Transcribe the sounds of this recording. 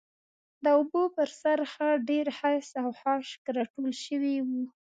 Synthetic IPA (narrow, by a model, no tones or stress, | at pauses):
d̪əʊbopəɾsaɾxəɖeɾhasawhɑʃkɾɑʈolʃəwiwu